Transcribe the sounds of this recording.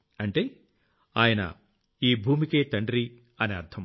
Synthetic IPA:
ɐɳʈeː | aːjɐnɐ̰ | iːbʱuːmike̞ːt̪ɐɳɖɾi | ɐneɐɾt̪ʰɐm

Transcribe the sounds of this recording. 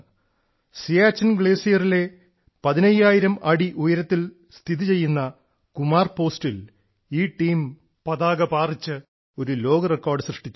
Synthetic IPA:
sijaːt͡ɕːɐnɡɭe̞ːsijɐrile̞ | pɐðinɐjːaːjiɾɐmʔɐɽiʔujɐɾɐt̪ːil | st̪ʰiðit͡ɕe̞jːunːɐ | kumaːrpo̞ːstil | iːʈːiːm | pɐðaːɡɐpaːrit͡ɕːɨ | o̞ɾulo̞ːɡɐrekːoːrɖɨɕrɨʂʈit͡ɕː

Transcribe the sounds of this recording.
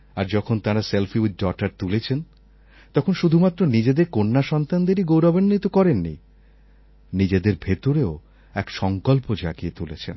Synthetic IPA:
aɾd͡ʑɔkʰont̪aɾaselfiuʈ̚ɖɔʈaɾt̪ulet͡ɕʰen | t̪ɔkʰonʃud̪ʱumat̪ːɾonid͡ʑed̪eɾkonːaʃɔnt̪and̪eɾiɡowɾɔbenːit̪okɔɾenːḭ | nid͡ʑed̪eɾbʱet̪oɾeo | ɛkʃɔŋkolpod͡ʑa̰ɡiet̪ulet͡ɕʰen

